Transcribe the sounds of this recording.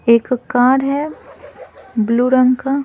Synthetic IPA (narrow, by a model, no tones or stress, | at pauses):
eːkkːaːɾɦɛ | bluːɾə̃ŋɡka